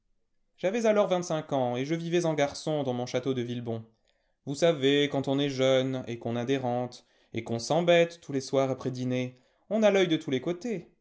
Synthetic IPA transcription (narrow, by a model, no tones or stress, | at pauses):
ʒavɛzalɔʁvɛ̃t̪sɛ̃kɑ̃eʒəvivɛzɑ̃ɡaʁsɔ̃d̪ɑ̃mɔ̃ʃat̪od̪əvilbɔ̃ | vusavekɑ̃t̪ɔ̃nɛʒœnḛkɔ̃nad̪eʁɑ̃t̪ | ekɔ̃sɑ̃bɛt̪ːuleswaʁapχɛd̪ine | ɔ̃nalœjd̪ət̪ʰulekot̪e